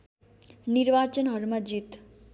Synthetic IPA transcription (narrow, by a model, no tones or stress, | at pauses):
niɾʋat͡ʃənɦʌɾmad͡ʒit̪